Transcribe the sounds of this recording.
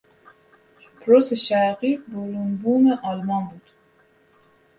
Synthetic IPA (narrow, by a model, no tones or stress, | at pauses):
pʰɾoseʃæqibolunbumeʔɑlmɑnbud̪̥